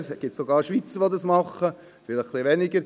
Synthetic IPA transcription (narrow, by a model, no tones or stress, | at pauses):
sɡ̥ɪtsoɡɑːɾʃʋit͡səɾʋodɑsmɑχə | fɪlχχliʋɛnɪɡəɾ